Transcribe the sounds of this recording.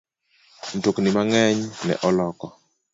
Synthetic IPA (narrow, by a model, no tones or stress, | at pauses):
n̩toknɪmaŋɛɲnɛ̰ʔɔlɔkɔ